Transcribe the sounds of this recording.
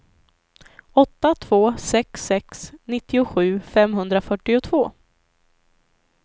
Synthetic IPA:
ɔt̪ːat̪ʰvoːsɛksɛksnɪt̪ːɪʊɧʉ̟ːfɛmɦɵnd̪ɾafœʈːɪʊt̪ʰvoː

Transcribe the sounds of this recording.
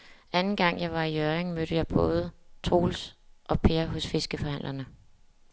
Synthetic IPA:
ænn̩ɡ̥ɑ̈ŋ̰jɑ̈ɪʋɑ̈iøʁeŋmøɾ̥əjɑ̈ɪb̥ɔ̽ːð̞ˠət͡sʰʁo̝̰ːlsʔɒ̽pʰe̝ːɐɦɔ̽sfe̝sɡ̥əfɒ̽hæn̰lɐnə

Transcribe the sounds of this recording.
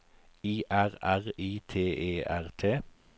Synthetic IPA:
iːʔæʁæʁiːt̪ʰeːʔeːʔæʁt̪ʰeː

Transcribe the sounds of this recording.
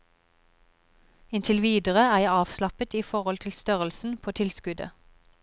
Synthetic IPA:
ɪnt̪ʰɪlʋiːd̪əʁəæːʁjæɑːʋslɑpət̪iːfɔʁɔlt̪ʰɪlst̪œʁəlsn̩pʰoːt̪ʰɪlskʉd̪ə̰

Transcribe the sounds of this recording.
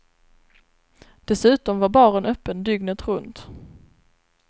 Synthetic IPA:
d̪̥ɛsʉ̟ːt̪ɔmvaɾbɑːɾənœpːənd̪ʏɡnət̪ɾɵnt̪

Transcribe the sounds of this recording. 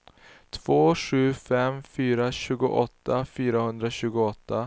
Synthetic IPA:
t̪ʰv̥oːɧʉ̟ːfɛmfyːɾaɕʉ̟ːɡʊ̰ʔɔt̪ːafyːɾahɵnd̪ɾaɕʉ̟ːɡʊɔt̪ʰːa

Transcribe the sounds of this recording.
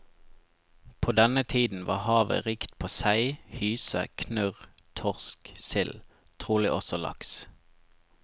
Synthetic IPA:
pʰoːd̪ɛnət̪ʰiːd̪n̩ʋɑ̰ːhɑːʋə̰ʁiːkt̪̚pʰoːsæɪhyːsə̰kʰnʉʁt̪ʰɔʁsksɪl | t̪ʰʁuːlɪʔɔsɔlɑ̰ks

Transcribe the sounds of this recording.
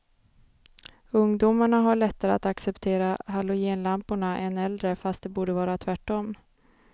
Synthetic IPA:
ɵŋd̪umaɳaɦaɭɛt̪ːaɾəat̪aksɛpt̪ʰeːɾaɦalʊjeːnlampʊɳaʔɛnɛld̪ɾəfast̪̚d̪ɛbuːɖəvɑːɾat̪ʰvæʈːɔm

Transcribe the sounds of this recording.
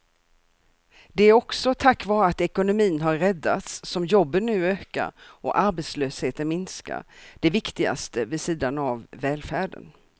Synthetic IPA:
d̪ɛæɾɔksɔt̪ʰakːvɑːɾəat̪ɛkʊnʊmiːnɦaɾɾɛd̪ːa̰t̪sːɔmjɔbːənːʉ̟ːøːka̰ɾʔɔ̰ʔaɾbet̪sløːsheːt̪ənmɪnska̰ɾd̪̥ɛvɪkt̪ɪɡa̰st̪əvɪsiːd̪anavːɛːlfæːɖə̰n

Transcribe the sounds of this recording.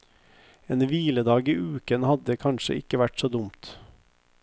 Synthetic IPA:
eːnʋiːləd̪ɑːɡiːʔʉːkənhɑd̪əkʰɑnʃə̰ʔɪkəʋæʈsoːd̪ʊmt̪

